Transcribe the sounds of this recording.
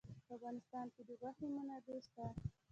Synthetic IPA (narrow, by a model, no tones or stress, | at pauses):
pəafɣɑnɪst̪ɑnked̪əɡaxemʊnad̪est̪a